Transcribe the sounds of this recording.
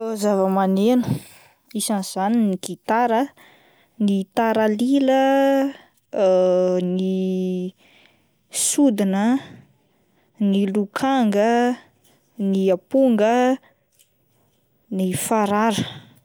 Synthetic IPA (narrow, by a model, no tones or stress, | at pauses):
ozavəmanenu̥ | isanz̥aniniɡit̪aɾə | nit̪aɾalilə | ni | sud̪inə | nilukʰaŋɡə | niapuŋɡə | nifaɾaɾə̥